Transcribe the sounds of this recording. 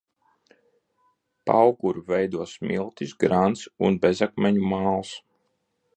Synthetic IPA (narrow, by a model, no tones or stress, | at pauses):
pa̰wɡuɾuvɛjd̪uɔsmilˠt̪isɡɾant̪sunbezakmʲɛɲumaːlˠs